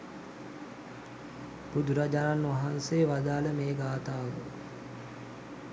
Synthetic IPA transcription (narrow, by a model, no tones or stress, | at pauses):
b̥ud̪uɾad͡ʒananʋaɦanseːʋad̪aːləmeːɡaːt̪aːʋə